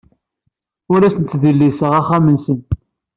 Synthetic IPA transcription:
ʊɾæsənt͡s̪ːðilːisəʁaχːamənsən

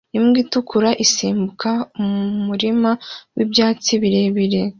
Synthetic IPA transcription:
imɡiːtukʰuɾaʔisiːmbukaumuɾimawibjaːt͡siβiɾeβiɾe̞

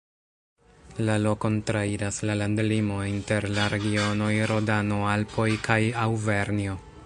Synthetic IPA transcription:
lalo̞ko̞ntɾaid͡ʒaslalandlimo̞inte̞ɾlaɾe̞ɡio̞no̞jɾo̞dano̞alpo̞jkʰajawve̞ɾnio̞

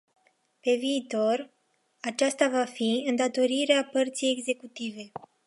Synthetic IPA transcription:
pe̞viːt̪o̞r | at͡ʃast̪avafiɨnd̪at̪o̞ɾiɾeapərt̪sije̞ɡze̞kut̪ive̞

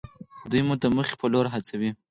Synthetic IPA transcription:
d̪ujmud̪əməxe̥pəloɾɦat͡sawi

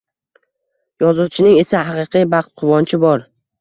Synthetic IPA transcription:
jɒzuwt͡ʃʰɪnɪŋe̞sahɑqɨqʰijbɑqt̪̚qʰʊvɒnt͡ʃʰɪbɒɾ

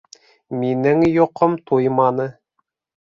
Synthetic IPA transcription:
minɘŋjŏqomt̪ʰujmɑnɤ

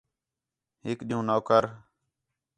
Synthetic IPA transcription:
ɦɪkɗɪːũːnoːkəɾ

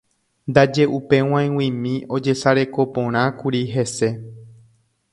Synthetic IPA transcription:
nd̪ad͡ʒe̞ʔupe̞w̃ãj̃wĩmĩʔo̞d͡ʒe̞saɾe̞ko̞põ̞ɾ̃ãkuɾiɦe̞se̞

